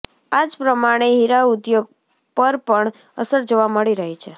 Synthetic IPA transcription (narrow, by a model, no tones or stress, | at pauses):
ad͡ʒpɾəmaɽ̃eɦiɾaud̪joɡ̚ | pəɾpəɳ | əsəɾd͡ʒoʋaməɭiɾəɦit͡ʃʰe